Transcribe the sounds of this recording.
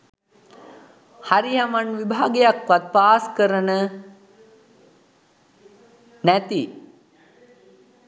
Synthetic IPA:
haɾijamanʋibʱaːɡejakʋat̪̚paːskəɾənə | næt̪i

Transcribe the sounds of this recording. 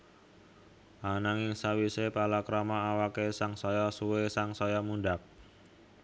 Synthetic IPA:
ʔanaŋɪŋsawisepalakɾɔmaawakesaŋsɔjɔsuwesaŋsɔjɔmunɖak̚

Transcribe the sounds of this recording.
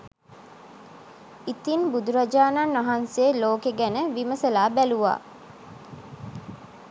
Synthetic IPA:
it̪inbud̪uɾad͡ʒaːnanʋaɦanseːloːkeɡænəʋiməsəlaːbæluʋa̰ː

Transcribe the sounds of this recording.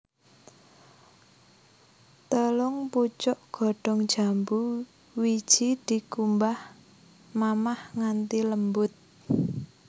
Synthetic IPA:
t̪əlɔŋput͡ʃɔʔɡ̥ɔ̤ɖ̥ɔ̤ŋ̥ʒ̥a̤mbu | wid̥ʒ̥id̪̥i̤kumbah | mamahŋant̪iləmbʊt̪̚

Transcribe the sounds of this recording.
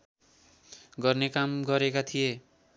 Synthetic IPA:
ɡʌrnekamɡʌɾekat̪ʰije

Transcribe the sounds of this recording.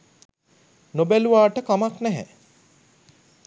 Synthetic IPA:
nobæluʋaːʈəkamaknæɦɛ̰

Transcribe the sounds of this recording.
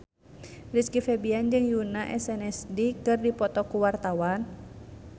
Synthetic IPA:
riskifɛbiand͡ʒɨŋjunaʔɛsɛnɛsdikɨrdipɔt̪ɔkuwart̪awan

